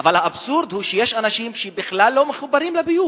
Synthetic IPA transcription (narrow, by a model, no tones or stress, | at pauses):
avalhaːbsuɾd̪huʃejeʃanaʃimʃebiχlalːomeχubaɾimlebiju